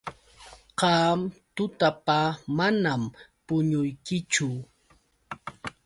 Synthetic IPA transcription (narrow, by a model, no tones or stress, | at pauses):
qɑmt̪ʊt̪apamanampʊɲʊjkɪt͡ʃʊ